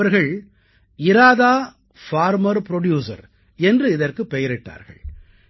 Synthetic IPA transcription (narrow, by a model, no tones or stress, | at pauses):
ɐɾɣɐɭ | ɪɾaːðaː | faːɾmɐɾpɪɾɔɽjuːsɐ̰ɾ | ɛndrɯɪðɐrkɯpːɛjɐɾɪʈːa̰ːɾɣɐ̰ɭ